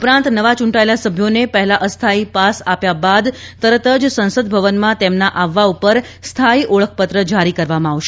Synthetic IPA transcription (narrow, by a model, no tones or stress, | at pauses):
upɾãnt̪nəʋat͡ʃũɳʈaelasəbʱjonepəɦɛlaʔəst̪ʰaipasapjabad̪t̪əɾət̪əd͡ʒsə̃nsəd̪̚bʱəʋənmãt̪emnaʔaʋːaupəɾst̪ʰaiʔoɭək̚ʰpət̪ɾəd͡ʒaɾikəɾʋamãaʋʃe